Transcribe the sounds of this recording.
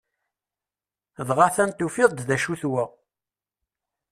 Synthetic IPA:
ðʁaθænt̪ufɪðˤd̪ðæʃuθwə

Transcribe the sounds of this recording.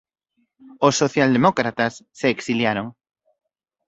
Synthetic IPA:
osːoθjald̪emokɾat̪asːeːksiljaɾoŋ

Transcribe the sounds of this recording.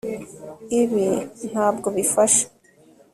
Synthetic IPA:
iβin̥haːbɡo̞βifaʃḁ

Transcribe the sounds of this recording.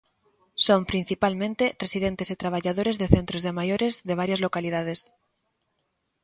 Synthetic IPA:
sompɾin̟θipalmẽnt̪eresiðent̪esit̪ɾaβ̞aʝað̞oɾezðeθent̪ɾozðemajoɾezðeβaɾjazlokalið̞að̞es

